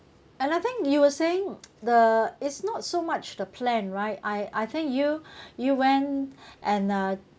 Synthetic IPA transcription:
ɛ̃naɪθɪ̃ŋkjuwəseɪ̃ŋd̪əɪtsnɔtsomat͡ʃdəpʰlɛ̃nɹaɪtaɪʔajθɪ̃ŋkjujuwɛ̃nʔɛ̃nʌ

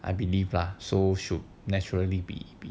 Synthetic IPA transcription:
ʔa̰jbilivlasoʃud̚nɛt͡ʃuɹəlibḭbi

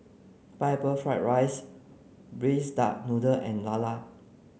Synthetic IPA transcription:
papəfɹaɪtɹajs | bɹesda̰ʔ̚nudəʔɛ̃nlala

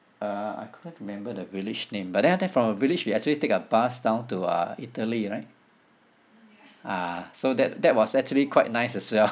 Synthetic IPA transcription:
ʌa̰ɪkʰudə̃ntɹimɛ̃mbədəvilid͡ʒnẽmbat̚dɛ̃ndɛ̃nfɹɔ̃məvilid͡ʒwiɛk̚t͡ʃuəlitekəbasdãʊ̃ntuʌ̰itəliɹaɪt̚ | asodɛt̚dɛt̚wɔsɛk̚t͡ʃuəlikʰwaɪt̚naɪsɛswɛl

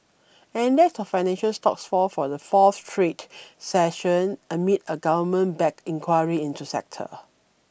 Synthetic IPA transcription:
ɛ̃ndɛk̚sɔfːaɪnɛ̃nʃəlstɔ̰ksfɔfɔdəfɔθtʰɹetsɛʃə̃nəmitəɡavəmə̃nbɛkĩŋkʰwajəɹiĩntusɛ̰k̚tʰə̰

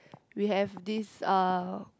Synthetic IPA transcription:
wiɦɛvdisa

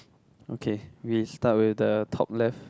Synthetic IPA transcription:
okʰewistat̚wɪθdətʰɔ̰p̚lɛf

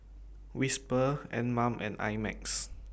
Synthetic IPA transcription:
wispəɛ̰̃nmãmʔɛ̰̃na̰jmɛ̰k̚s

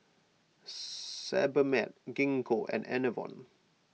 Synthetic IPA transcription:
sɛ̰bəmɛt̚ɡĩŋkʰoʔɛ̰̃nɛ̰nəvɔ̰̃n

